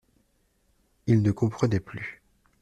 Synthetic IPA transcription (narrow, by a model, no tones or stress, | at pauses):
ilnəkɔ̃pχənɛply